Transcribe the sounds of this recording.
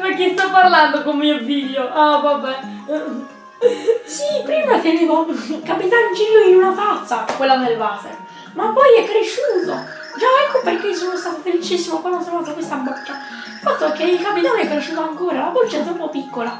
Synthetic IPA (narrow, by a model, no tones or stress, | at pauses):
pekːest̪ɔpːarland̪okommːiofiʎːoʔavabɛ | sipɾiːmat̪eneːvokapit̪annd͡ʒilːoinunat̪at̪sːakwelːad̪elvaːt̪ḛɾ | mapːɔjɛkːɾeʃːuːt̪o | d͡ʒaɛkːoperk̟eios̬oːnost̪aːt̪ofelit͡ʃisːimokwalːansaat̪akwest̪abot͡ʃːa | ilfat̪ːoɛkːeilkapit̪anɛkːɾeʃːuːt̪oaŋkoːɾalabot͡ʃːaɛt̪ːɛumpɔpːikːola